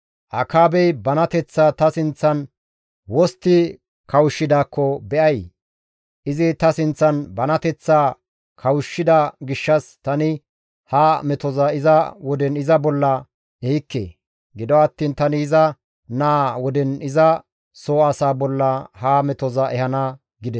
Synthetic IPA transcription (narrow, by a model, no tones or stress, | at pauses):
ʔɐkaːbɛjbɐnɐt̪ɛt͡sːaːt̪ɐsɪnt͡sːɐn | wɔst̪ːɪ | kʰɐwʃːɪd̪aːkːɔbɛʔɐj | ʔɪzɪt̪ɐsɪnt͡sːɐnbɐnɐt̪ɛt͡sːaː | kʰɐwʃːɪd̪ɐɡɪʃːɐst̪ɐnɪ | haːmɛt̪ɔzɐɪzɐwɔd̪ɛnɪzɐbɔlːɐ | ɛhɪkːḛː | ɡɪd̪ɔwɐt̪ːiːnt̪ɐnɪːzɐ | naːwɔd̪ɛnɪzɐ | soːɐsaːbɔlːɐhaːmɛt̪ɔzɐʔɛhɐnɐ | ɡɪd̪ɛs